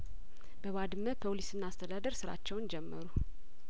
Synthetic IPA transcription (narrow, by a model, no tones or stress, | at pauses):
b̥əβad̪ɨmːəpʰolisɨnːast̪ʰəd̪ad̪əɾsɨɾa̰t͡ʃːɛwnd͡ʒɛmːəɾu